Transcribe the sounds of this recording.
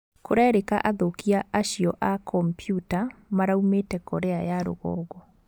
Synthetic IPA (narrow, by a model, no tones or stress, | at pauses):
koɾɛɛɾekaʔaðokiaʔaɕiɔʔakʰɔmpjutamaɾaumetɛkɔɾeajaɾo̰ɣɔ̰ːɣɔ